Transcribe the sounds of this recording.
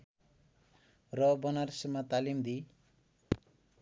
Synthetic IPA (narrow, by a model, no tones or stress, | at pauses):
rʌbʌnarsemat̪alimd̪i